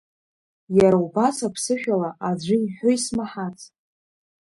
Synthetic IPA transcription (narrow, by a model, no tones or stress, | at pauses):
jaɾaubasapʰsɨʃᶣalaʔad͡ʑʷʊiħʷᶣoismaħat͡sʰʼ